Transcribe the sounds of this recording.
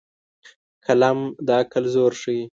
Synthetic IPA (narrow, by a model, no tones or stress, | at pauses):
kʰalamd̪ɑkalzoːɾʂəi